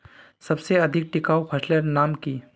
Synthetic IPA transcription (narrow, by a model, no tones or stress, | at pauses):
sɐbseɐd̪ʱɪk̚ʈɪkaːopʰɐʃləɾnaːmkiː